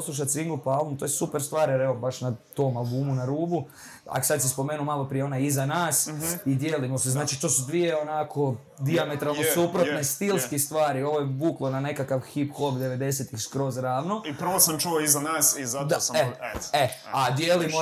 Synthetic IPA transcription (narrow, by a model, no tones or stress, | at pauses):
osluʃ̬at̪siŋɡopoalˠomt̪ojesupeɾst̪ʋaːɾjeɾeobaʃnat̪oːmalˠbuːmunaɾuːbu | a̰ko̥sad̪sispo̞meːnumalˠopɾijeonajizanaːsid̪jeːlimoseznaːt͡ʃit̪oːsud̪ʋije̞onakʰo̞ | d̪iamet̪ɾalˠnosupɾot̪nest̪ilˠskist̪ʋaːɾio̞ʋojebuːklˠonane̞kakaʋxiːpxobd̪e̞ʋe̞d̪e̞s̬et̪ixskɾo̞zɾaːʋnoipr̩ʋosamt͡ʃuoizanaːsizatd̪saeead̪jelimo